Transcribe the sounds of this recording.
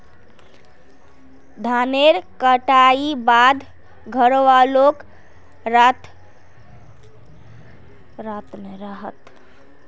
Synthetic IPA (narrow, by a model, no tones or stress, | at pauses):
d̪ʱaneɾkəʈaibad̪ʱ | ɡʱəɾʋalok | ɾat̪ | ɾat̪meɾəɦət̪